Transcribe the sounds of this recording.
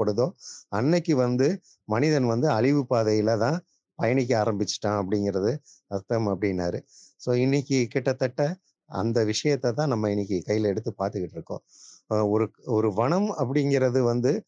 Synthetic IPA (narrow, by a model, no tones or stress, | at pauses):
ɐɽɯðoːɐnːɛkʲːɯʋɐnd̪ɯ | mɐnɪðɐnʋɐnd̪ɯɐɭɪʋɯpaːðɐjɪlɐt̪ãː | pɐjɐɳɪk̬ʲːɯaːɾɐmbɪt͡ʃːɯ̥ʈːãːɐp̬ːɐɽɪŋɡɪɾɐðɯ | ɐɾt̪ːɐmɐpːɐɽɪnːa̰ːɾɯ | soːɪnːɪkʲːɯkɪʈːɐt̪ːɐʈːɐ | ɐ̰nd̪ɐʋɪʂɐjɐt̪ːɐt̪ãːnɐmːɐɪnːɪk̬ʲːɯkɐjːɪlɛɽɯt̪ːɯpaːɾt̪ɯkɪʈːɪɾɯkːõ̰ː | ɔɾɯɔɾɯʋɐɳɐmɐp̬ːɐɽɪŋɡɪɾɐðɯʋɐnd̪ɯ